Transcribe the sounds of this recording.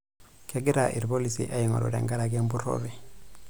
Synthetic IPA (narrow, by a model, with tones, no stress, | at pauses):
kʰe˨ɡi˦ɾaʔḭ˨ɾbo˦lisḭ˨ʔa˦ji˨ŋo̰˨ɾo̰˨ɾḛ˨ŋɡa˦ɾa˨ɡe˦mbu˦ɾo̰βɛ˨